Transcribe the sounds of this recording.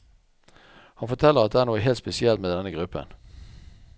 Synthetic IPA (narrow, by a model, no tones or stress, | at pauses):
hɑnfɔt̪ʰɛlːəʁɑt̪̚d̪ɛæːɳoːəɦeːlt̪spɛsɪɛlt̪meːd̪ɛnːəɡʁʉpːə̰n